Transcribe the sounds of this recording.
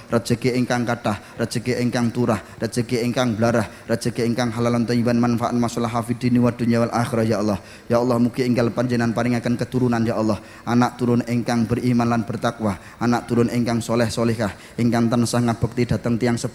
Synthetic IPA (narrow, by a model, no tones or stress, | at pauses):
rḁd͡ʒ̥ə̤ɡeʔeŋkaŋkadah | rḁd͡ʒ̥ə̤ɡeʔeŋkaŋt̪uɾah | ratd͡ʒ̥ə̤ɡeʔeŋkaŋbəlaɾah | rḁd͡ʒ̥ə̤ɡeeŋkaŋɦalalant̪ɔibanmanfaʔa̰t̪̚masalaɦafid̪iniwad̥unijawalʔaxiɾɔjaɔlːɔh | jaɔlːɔhmukɪiŋɡalpaɲd͡ʒənanpaɾɪŋakənkət̪uɾunanjaʔɔlːɔh | ʔanaʔ̚t̪uɾʊneŋkaŋbərimanlanb̥ərt̪akwa | ʔanaʔ̚t̪uɾʊnʔeŋkaŋsolɛhsolɛhkah | ɪŋkaŋt̪ənsaŋat̪̚b̥ək̚t̪ida̤t̪əŋt̪ijaŋsəp